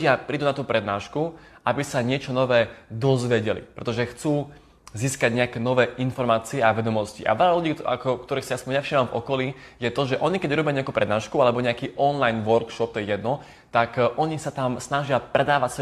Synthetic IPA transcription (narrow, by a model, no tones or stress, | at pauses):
ɪapɾiːd̪uːnat̪uːpɾɛd̪naːʃkuʔabisaɲɪɛt͡ʃɔnɔʋɛːd̪ɔzʋɛɟɛlḭpɾɛt̪ɔʒɛxt͡suː | ziːskaɟɲɛakɛːnɔʋɛːʔinfɔɾmaːt͡siɛaʋɛd̪ɔmɔscḭʔa̰ʋɛʎaluɟiːa̰kɔk̚t̪ɔɾiːxsajaspɔɲɲɛfʃiːmamvɔkɔlijɛt̪ɔʒɛʔɔɲikɛɟuɾɔbɪaɲɛakuːpɾɛd̪naːʃkualɛbɔɲɛakiːʔɔnlajnʋɔɾkʃɔp̚t̪ɔjɛjɛd̪nɔ | t̪akʔɔɲisat̪amsnaʒɪapɾɛd̪aːʋacsɛ